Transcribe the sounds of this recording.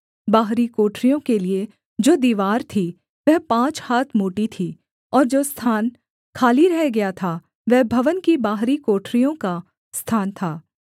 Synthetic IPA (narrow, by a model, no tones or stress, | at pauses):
baːɦɾikoːʈʰɾijõkelie | d͡ʒoːd̪iːʋaːɾt̪ʰi | ʋɛɦpãːt͡ʃhaːt̪ʰmoːʈit̪ʰiː | ɔːɾd͡ʒoːst̪ʰaːn | kʰaːliɾɛɦɡɐjat̪ʰa | ʋɛɦbʱɐʋənkibaːɦɾikoːʈʰɾijõka | st̪ʰaːnt̪ʰaː